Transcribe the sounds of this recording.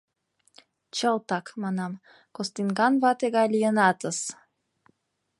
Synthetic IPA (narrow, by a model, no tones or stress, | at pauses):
t͡ɕɤlˠt̪ɑkmɑnɑm | kost̪inɡɑnvɑt̪eɡɑlʲijɤnɑt̪əs